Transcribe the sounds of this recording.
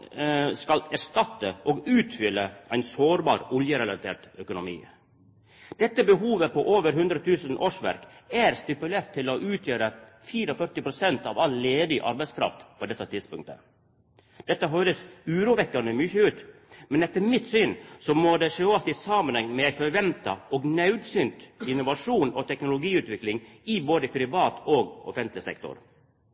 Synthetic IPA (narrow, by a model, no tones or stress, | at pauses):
skɑlæɾʂt̪ɑt̪ːəʔɔɡʉːt̪fʏlːəʔæɪnsoːɾbɑ̰ːɾɔljəɾɛlɑt̪ʰḛːɾt̪œkʊnʊmḭː | d̪̥ɛt̪ːəbəɦuːʋəpɔʔoːʋəɾɦʉnd̪ɾət̪ʰʉːsənʔoːʂʋæ̰ɾkæɾst̪ɪpʉleːɾt̪ʰːɪlɔʔʉːt̪ʰjøːɾəfiːɾɔfœɾʈ̪ɪpɾʊsɛnt̪ɑʋɑlleːd̪ɪʔɑ̰ɾbæɪskʰɾɑ̰ft̪pʰɔd̪ɛt̪ːət̪ɪd̪spʊŋkt̪ə̰ | d̪̥ɛt̪ːəɦøːɾəsʉːɾuːʋɛkːɑnəmʏçəʉːt̪ | mɛnɛt̪ːəɾmɪt̪syːnsɔmɔd̪ɛʂøːɔst̪ɪsɑmənhɛŋmɛfɔɾʋɛmt̪ɑ̰ɔɡnɑʉd̪syːnt̪ɪnːʊʋɑʂuːnɔt̪ʰɛknʊlʊɡiːʉːt̪ʋɪklɪŋɪboːd̪əpʰɾɪʋɑːt̪ɔːɡɔ̰fɛnt̪lɪsɛ̰kt̪ɔ̰ɾ